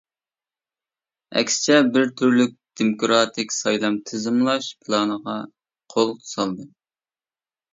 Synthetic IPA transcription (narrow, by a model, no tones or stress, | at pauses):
ɛ̰kʲsɪ̥t͡ʃʰɛbɪɾt̪ʰyɾlyk̚ʲd̪̥emokʰɾɑt̪ʰɪkʲsɑjlˠɑmt̪ʰɨzɨmlˠɑʃpʰɨlˠɑːnəʁɑ | qʰolˠsɑlˠd̪ɨ